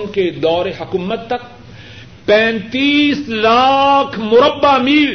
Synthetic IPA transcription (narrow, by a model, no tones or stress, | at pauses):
nked̪ɔːɾeɦɐkuːmət̪ːɐk̚ | pɛ̃ːnt̪iːslaːkʰmʊɾəbːamiːl